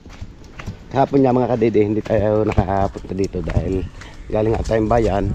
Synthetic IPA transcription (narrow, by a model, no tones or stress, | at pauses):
kɐhaːpʊnɲamɐŋakɐd̪iːd̪ɪhɪnd̪it̪ʰaːjawnɐkaʔapʊt̪̚t̪ad̪iːt̪od̪a̰ːhɪlɡaːlɪŋːhaʔɐt̪aːjʊmbaːjan